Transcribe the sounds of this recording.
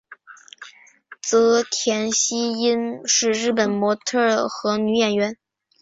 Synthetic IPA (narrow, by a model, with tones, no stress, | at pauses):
t͡sɤ˧˥t̪ʰjɛ˧˥nɕi˥i˥nʂɻ̩˥˧ɻɻ̩˥˩pə˨˩nmwɔ˧˥t̪ʰɤ˥˩xɤ˧˥ny˧˥jɛ˨˩nɥɛ˧˥n